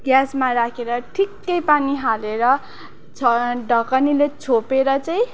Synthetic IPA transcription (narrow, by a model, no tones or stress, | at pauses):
ɡjasmaɾakʰeɾʌʈʰikːʌjpaniɦaleɾʌ | ɖʱʌkʌnilet͡sʰopeɾʌt͡saj̃